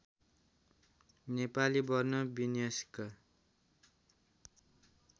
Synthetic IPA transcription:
nepalibʌrnʌbinijʌsi̥kʌ

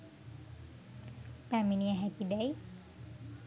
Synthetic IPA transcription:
paminiaɦɛkidaj

